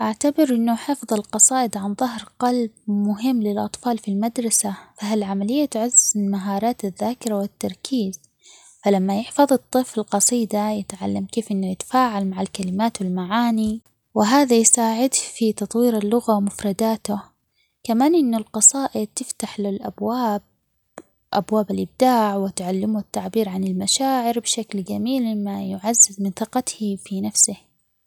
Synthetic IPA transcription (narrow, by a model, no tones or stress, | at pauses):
ʔaʕt̪abɪɾʔɪnːʊħɪfðˤɑlqɑsˤɑːʔɪd̪ʕanðˤɑɦɾqɑlb̚mʊɦɪmːlɪlʔɑ̰t̪ˤfɑːlfilmad̪ɾˤɑsafaɦalʕamalɪjːat̪ʕʊzːɪlmaɦɑːɾˤɑːt̪aðːaːkɪɾawɪt̪ːɑɾˤkʰiːz̥ | falamːajɪħfɑðˤɨt̪ˤːɨflqɑsˤiːd̪ajɪt̪ʕa̰lːamkeːfʔɪnːʊjɪt̪ḁfaːʕalmaʕalkalɪmaːt̪wɪlmaʕaːni | wɪɦaːðajsaːʕɪd̪fit̪ɑt̪ˤwiːɾalːʊɣawmʊfɾˤɑd̪aːt̪ʊ | kamaːnʔɪnːʊlqɑsˤɑːʔɪd̪̚t̪ɪft̪aħlɪlʔa̰bwaːb̚ | ʔa̰bwaːbalʔɪb̚d̪aːʕwɪt̪ʕalːɪmʊɪt̪ːaʕbiːɾʕanɪlmaʃaːʕɪɾbʃaklɡamiːlmajʊʕazːɪzmɪnθɪqɑt̪hifinafsɪh